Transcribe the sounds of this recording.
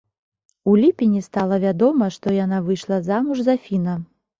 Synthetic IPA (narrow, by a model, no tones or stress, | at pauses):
ulʲipʲinʲist̪alˠɐvʲad̪ɔmɐʂt̪ɔjanavɨjʂlˠɐzamuʐzafʲinɐ